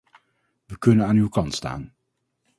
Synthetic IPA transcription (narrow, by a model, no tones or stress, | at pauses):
ʋəkɵnənaːnywkɑntsta̰ːn